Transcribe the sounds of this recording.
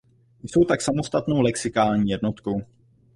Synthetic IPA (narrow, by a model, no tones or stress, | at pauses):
jso̞wt̪aksamo̞st̪at̪no̞wlɛksɪkaːlɲiːjɛdnot̪ko̞w